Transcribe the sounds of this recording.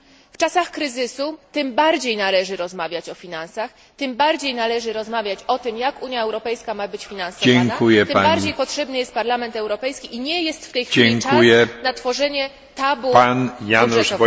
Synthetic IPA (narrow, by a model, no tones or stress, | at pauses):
ft͡ʂasaxkɾɘzɘsut̪ɘmbaɾd͡ʑejnalɛʐɘɾɔzmavʲjat͡ɕɔfʲinansax | t̪ɘmbaɾd͡ʑejnalɛʐɘɾɔzmavʲjat͡ɕɔt̪ɘmjakuɲjaɛwɾɔpɛjskamabɘt͡ɕfʲinansɔɛaŋk̪aujɛp̪aaɾd͡ʑejpɔtʂɛbnɘjɛst̪̚paɾlamɛnt̪ɛwɾɔpɛjskʲiʔiɲɛjɛst̪ft̪ɛjxfd͡ʑɛŋkaujɛnat̪fɔʐɛɲɛ | t̪abuanjanuʂv